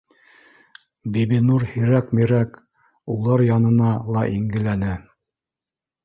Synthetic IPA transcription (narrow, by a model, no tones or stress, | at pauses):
biβinuɾhiɾækmiɾæk | ulˠɑɾjɑnɤ̆nɑlˠɑʔiŋɡɘ̆lænɘ